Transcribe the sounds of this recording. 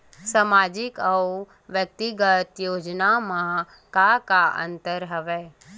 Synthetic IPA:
samaːd͡ʒɪkəw | ʋjək̚t̪iɡət̪joːd͡ʒnamã | kakaʔə̰̃nt̪əɾɦəʋe

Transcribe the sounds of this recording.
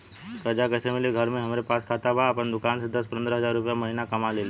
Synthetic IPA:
skəd͡ʒakɛːsemɪliɡʱəɾmẽɦɐmɾepaːskʰaːt̪abaːpənd̪ʊkaːns̬ed̪ɐspɐ̃nd̪ɾəɦɐzaːɾːʊpjamɐɦiːnakɐmaleːle

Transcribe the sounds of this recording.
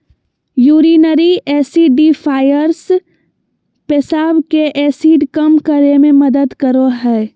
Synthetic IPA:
juːɾiːnəɾiɛːsiɖifʰaːjəɾs | pesaːbkeʔɛːsiːɖkəmkəɾemẽməd̪əd̪kəɾoɦɛː

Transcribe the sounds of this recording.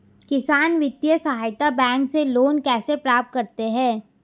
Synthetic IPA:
kɪsaːnʋɪt̪jəsɐɦaːjt̪abɛ̃ːŋkseloːnkɛːsepɾaːp̚t̪̚kɐɾt̪eɦɛ̃ː

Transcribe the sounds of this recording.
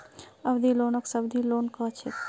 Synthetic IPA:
əbd̪ʱilonəksəbd̪ʱilonkət͡ʃʰet̪

